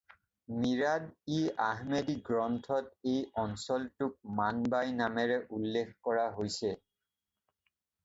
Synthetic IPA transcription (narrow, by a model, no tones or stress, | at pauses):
miɹadiaɦmediɡɹɔntʰɔt̚ejɔnsɔltʊk̚manbajnamɛɹɛʔulːekʰkɔɹaɦojsɛ